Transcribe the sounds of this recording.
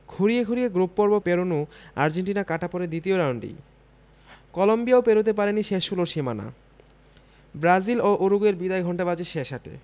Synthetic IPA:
ɡʱuɾijeɡʱuɾijeɡɾopːɔɾbopeɾonoa̰ɾd͡ʑeɳʈinakaʈʰapoɾed̪it̪ioɾawɳɖḭ | kɔlombijaopeɾot̪̬ep̬aɾeniʃeʃuloɾʃimana̰ | bɾaziloʔoɾuɡeɾbid̪aeɡʱɔɳʈabad͡ʑeʃeʃaʈḛ

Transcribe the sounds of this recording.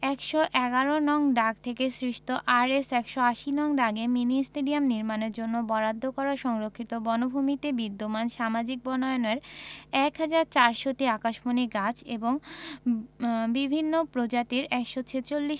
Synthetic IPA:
ɛkʃoʔɛɡaɾonɔŋɖak̚t̪ʰekesɾiʃʈ̪oʔaɾesɛkʃoaʃinɔŋd̪aɡeminisʈeɖiamniɾmaneɾd͡ʑonːobɔɾad̪ʱːokɔɾaʃɔŋɾokʰːit̪obɔnobʱumit̪ebid̪ːomanʃamad͡ʑik̚bɔnɔoneɾɛkɦad͡ʑaɾt͡ɕaɾʃot̪ːiakaʃmoniɡat͡ɕʰeboŋ | bibʱinːopɾod͡ʑat̪iɾɛkʃot͡ɕʰet͡ɕolːiʃ

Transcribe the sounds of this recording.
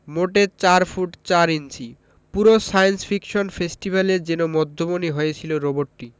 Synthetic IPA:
moʈeɾt͡ɕaɾfʰuʈt͡ɕaɾint͡ɕʰi | puɾosajensfʰikʃonfesʈibaleɾd͡ʑenomɔd̪ʱːomoniɦoet͡ɕʰiloɾoboʈːi

